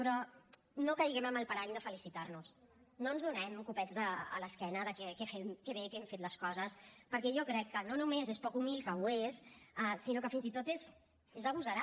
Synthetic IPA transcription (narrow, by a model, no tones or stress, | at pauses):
pɾɔ | nokəiɣɛməməlˠpəɾaʎd̪əfəlisit̪arnus | nonzðunɛmkupɛd͡zðə̰ːləskɛnəðəkɛkɛfemkɛβekɛmfet̪ləskɔzəspəɾkɛʒɔkɾɛkːənonumezespɔkumilˠkəwesasinokəfinzit̪ot̪ez | ezəβuzəɾa